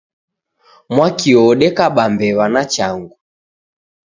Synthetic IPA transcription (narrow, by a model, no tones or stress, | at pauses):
mwakiɔɗɛkaɓambɛβanat͡ʃaŋɡu